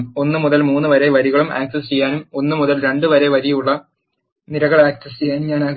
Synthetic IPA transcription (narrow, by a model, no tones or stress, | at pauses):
mo̞nːɨmuðɐlmuːnːɨʋɐɾe̞ʋɐɾiɣɐɭuma̰ːksɐst͡ɕejːaːnumo̞nːɨmuðɐlɾe̞ɳɖɨʋɐɾe̞ʋɐɾijuɭːɐ | niɾɐɣɐɭaːksɐs̬t͡ɕejːaːnumɲaːnaːɣ